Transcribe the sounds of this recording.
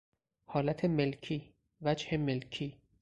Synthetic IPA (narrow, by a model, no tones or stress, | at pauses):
hɒːlæt̪ʰemelcʰiː | væd͡ʒhemelkʰiː